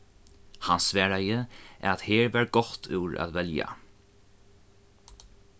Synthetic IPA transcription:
hansʋɛːɹajəʔɛ̰ɾat̪heːɹvæɹɡɔht̪ʰʉwɹa̰ðvɛlja̰

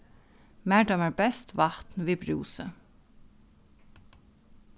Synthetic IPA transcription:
mæːɖɔməɹbɛst̪ʰʋɑt̪n̩ʋiːbɹṵːsə̰

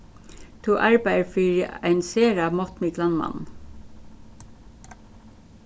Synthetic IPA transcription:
t̪ʰuːʔɑɹbæɪəfiːɹjæɪnseːɹɑmɔt̪mɪɡlɑnmɑ̰n

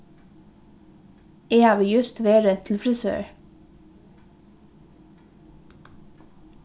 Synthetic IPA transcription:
eːɑːʋɪːjʉst̪ʋeːɾət̪ʰl̩fɾɪsø̰ːɹ

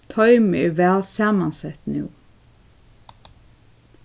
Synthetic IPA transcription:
t̪ʰɔʏmɪɪɾʋæːlsɑːmansɛt̪nʉ̰ː

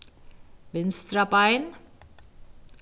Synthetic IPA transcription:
ʋɪnst̪ɾapaɪn

